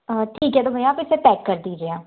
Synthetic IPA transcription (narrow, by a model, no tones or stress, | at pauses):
əʈʰiːkɦɛːt̪oːbʱəĩaːpɪseːpɛːkːəɾd̪iːd͡ʒeːãː